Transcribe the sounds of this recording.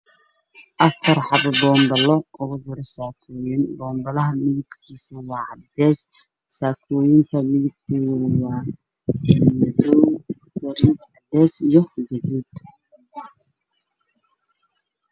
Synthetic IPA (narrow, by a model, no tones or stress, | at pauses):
ʔɐfɐrħɑbbɔːmbɐlɔʔʊðɔɾsaːkʰɔːjɪnbɔːmbɐlɐɦɐmɪðɪbkʰiːsɐwɑːʕɑd̪ɛːs | saːkʰɔːjɪnt̪ʰɐmɪðɪb̚t̪ʰiwʊwɑː | ɛnmɐðɔ | ɐmɪʕɑd̪ɛːsijɔɡɐðuːd̪